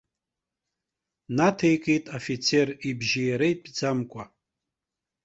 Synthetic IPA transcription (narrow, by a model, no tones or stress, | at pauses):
natʰejkʼejtʼofit͡sʰe̞ribʒijaɾaipʼd͡zamkʷʼa